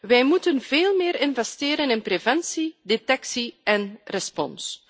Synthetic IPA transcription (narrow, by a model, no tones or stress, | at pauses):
ʋɛjmutənveːlˠmɪːɾɪnvɛsteːɾənɪnpɾevɛnsidetɛksiɛnrɛspɔ̰ns